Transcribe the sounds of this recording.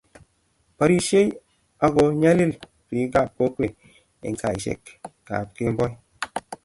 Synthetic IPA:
pa˨ɾi˨ʃe˦j | a˦ɡo˨ɲa˦li˦l | pi˨˦ka˦˨p̚ko˦ke˨ | ḛ˨ŋ˦ka˨i˨sḛ˦˨kka̰˨p̚ke˦m˦bɔ˦j

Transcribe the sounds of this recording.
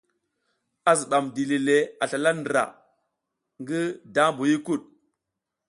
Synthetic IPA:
a˨zi˨ɗa˨mdi˨li˨le˨a˨ɬa˨la˦ndɾa̰˨ | ŋɡi˦da˦mbu˨ji˦ku˦˨ɗ̚

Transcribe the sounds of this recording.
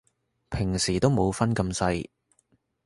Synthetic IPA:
pʰɪ˨˩ŋsiː˨˩t̪o˥wmo˨˧wfɐ˥nkɐ˧msɐ˧j

